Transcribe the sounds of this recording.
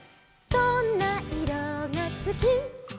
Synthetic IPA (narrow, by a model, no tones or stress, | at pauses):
t̪ɔnːaiɾʌŋasɨki